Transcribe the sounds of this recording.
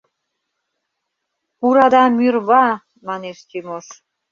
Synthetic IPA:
uɾɑd̪ɑmyrβɑ | mɑneʃt̪imoʃ

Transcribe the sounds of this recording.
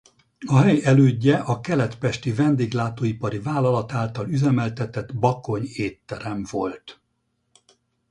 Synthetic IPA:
ɒɦɛjɛløːɟːɛʔɒkɛlɛt̪pɛʃt̪ivɛnd̪eːɡlaːt̪oːipɒɾivaːlɒlɒt̪aːlt̪ɒlyzɛmɛlt̪ɛt̪ɛt̪bɒko̞ɲeːt̪ːɛɾɛmvo̞lt̪

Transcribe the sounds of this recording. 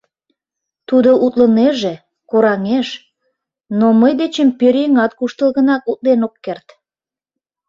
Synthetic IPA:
t̪ud̪oʔut̪ləneʒe | koɾɑŋeʃ | noməjd̪et͡ɕəmpøɾeŋɑt̪̚kuʃt̪ə̆lɣənɑkut̪̚lenokːert̪

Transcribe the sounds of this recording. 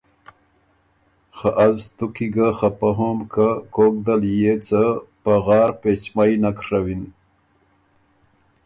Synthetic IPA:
xaʔazt̪ukiɡaxapaɦomkʰakok̚d̪aljet͡səpaɣɑːɾpet͡ɕmajnakʂawin

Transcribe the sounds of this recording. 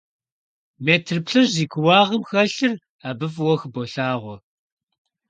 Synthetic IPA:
meːtʰrpɬɨʒiːkʰʷʊwɑːʁəmxɐɬɨr | aːbɨfwɔxboɬaːʁʷɔ

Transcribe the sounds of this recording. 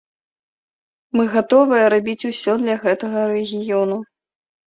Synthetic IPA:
mɨɣat̪ɔvɨjɐɾabʲit͡sʲusʲɔd̪lʲɐɣɛt̪ɐɣɐɾɛɣʲijɔnu

